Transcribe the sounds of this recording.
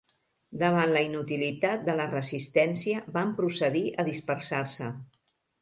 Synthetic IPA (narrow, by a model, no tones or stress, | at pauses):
d̪əβanləinut̪ilit̪at̪̚d̪ələrəzist̪ɛnsiəbampɾusəðiʔəðispəɾsarsə